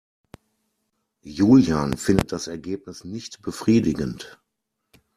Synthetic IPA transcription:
juːljaːnfɪndət̚d̥asɛɐɡeːp̚nɪsnɪçtb̥əfʁ̥iːdɪɡənt

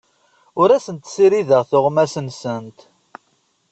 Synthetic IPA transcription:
ʊɾæsənt̪siɾiðəʁθʊʁmæsənsənt̪

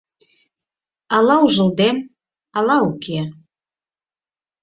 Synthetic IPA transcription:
ɑlɑuʒə̆ld̪em | ɑlɑuke

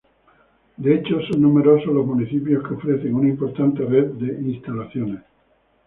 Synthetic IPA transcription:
d̪eet͡ʃosonːume̞ɾo̞soɦlo̞zmuniθipjo̞skeofɾe̞θeŋunaimpo̞ɾt̪ant̪e̞reðd̪e̞ʔinst̪alaθjones

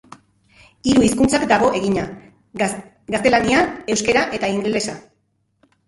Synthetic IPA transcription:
iɾuiskunt͡sakd̪aɣ̞o̞ʔe̞ɣiɲa | ɡast̪e̞laniae̞wske̞ɾaʔe̞t̪aiŋɡle̞sa

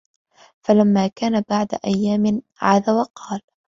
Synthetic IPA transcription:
falamːaːkaːnabaʕd̪a̰ʔajːaːmɪ | ʕaːðawɑqɑːl

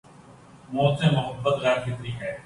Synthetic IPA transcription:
moːt̪sẽːmʊɦəbːət̪ɣɛːɾkɪt̪ɾiːkɦɛː

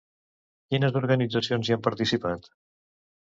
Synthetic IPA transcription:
kinəzd̪uɾɣənid͡zəsionziampəɾt̪isipat̪

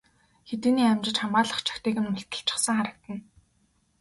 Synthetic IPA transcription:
xet̪ɘːniːæmt͡ɕɪ̆t͡ɕχamaːɮə̆χt͡ɕʰḁkt̪iːɣɘ̆nmʊɬt̪ə̆ɬt͡ɕɪ̥̆χsə̆ŋχaɾə̆k̚t̪ə̆n

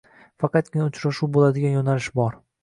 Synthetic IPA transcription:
fɑqʰɑt̪̚kʲɪnaʊt͡ʃɾaʃuwbolad̪ɪɡʲanjonalɪʃbɒɾ

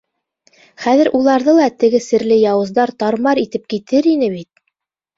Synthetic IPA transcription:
χæðɘ̆ɾʔulˠɑɾðɤlˠɑt̪ɘ̆ɡɘsɘ̆ɾlɘjɑwɤ̆zd̪ɑɾt̪ɑɾmɑɾit̪ɘp̚kit̪ɘɾinɘβit̪̚

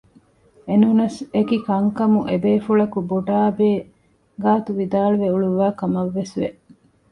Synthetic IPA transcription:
enunɐsekikɐŋkɐmuʔebeːfuɭɐkuboɖaːbeː | ɡaːt̪uʋid̪aːluʋeuɭuʋaːkɐmɐʋːesʋḛ

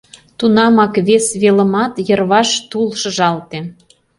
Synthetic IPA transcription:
t̪unɑmɑkβesβelə̆mɑt̪jərβɑʃt̪ulʃə̆ʒɑlt̪e

